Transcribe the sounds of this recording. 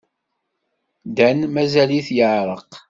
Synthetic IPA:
d̪ænmæzæliθjəʕɾˤəq

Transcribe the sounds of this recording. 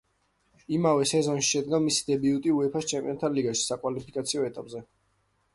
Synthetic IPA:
imavɛsɛzɔnʃi̥ʃɛd̪̚ɡamisi̥d̪ɛbiut̪ʼiuɛpʰast͡ʃʰɛmpʼḭɔnt̪ʰaliɡaʃi̥sakʼwalipʰikʼat̪sʰiɔɛt̪ʼapʼzɛ

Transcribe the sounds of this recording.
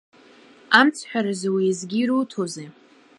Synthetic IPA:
amt͡sʰħʷᶣaɾɨzwizɡʲiɾutʰoze

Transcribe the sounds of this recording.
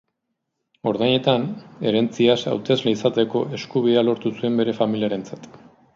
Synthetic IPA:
o̞ɾðajɲe̞t̪ane̞ɾe̞nt͡siasa̰wt̪e̞zleisat̪e̞ko̞ʔe̞skuβiðealo̞ɾt̪usue̞mbe̞ɾe̞familiaɾe̞nt͡sat̪

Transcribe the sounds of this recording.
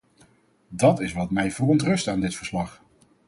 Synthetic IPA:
dɑtɪsʋɑtmɛjvərɔntrɵstaːndɪtfəɹslɑχ

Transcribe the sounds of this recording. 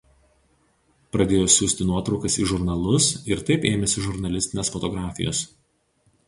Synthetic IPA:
pɾɐd̪ʲeːjoːsʲuːsʲt̪ʲɪnuɔt̪ɾɒʊkɐsḭːʒʊɾnɐlˠʊsɪɾt̪ɐɪpeːmʲɛsʲɪʒʊɾnɐlʲɪsʲt̪ʲɪnʲeːsfɔt̪ɔɡɾɑːfʲɪ̰jo̰ːs

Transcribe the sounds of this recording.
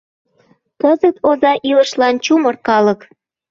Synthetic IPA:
kəzət̪ʰozɑʔiləʃlɑnt͡ɕumərkɑlək

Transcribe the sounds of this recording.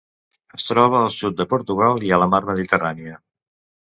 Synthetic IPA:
əst̪ɾɔβ̞əːlˠsut̪̚d̪əpuɾt̪uɣ̞alˠiələmaɾməðit̪əraniə

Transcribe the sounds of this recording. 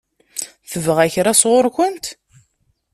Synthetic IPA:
θəvəʁæçɾasʁoɾkʷənt̪

